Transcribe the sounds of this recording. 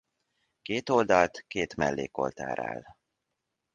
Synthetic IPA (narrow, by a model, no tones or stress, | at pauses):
keːt̪o̞ld̪ɒlt̪keːt̪mɛlːeːko̞̰lt̪a̰ːɾa̰ːl